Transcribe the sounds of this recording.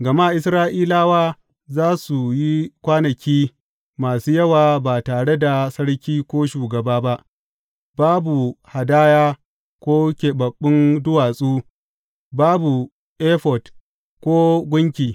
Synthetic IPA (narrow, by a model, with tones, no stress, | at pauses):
ɡɐ˨ma˦˨ʔɪ˦sɾaː˦ʔiː˦laː˦waː˦ | zaː˦su˨ji˦kʷaː˦nɐ˨kʲiː˦ | maː˨suː˦jɐ˦waː˨baː˨taː˨ɽe˦da˨sɐ˦ɽkʲiː˦kʷoː˦ʃuː˨ɡɐ˨baː˦ba˦ʔ | baː˦bu˨ha˨daː˦jaː˦ | kʷoː˦kʲe˨bɐ˨ɓːɪ˦ndʊ˦waː˨sʼuː˦ | baː˦bu˨ | ʔe˦ɸɔ˨d | kʷoː˦ɡʷʊ˦ŋkʲiː˨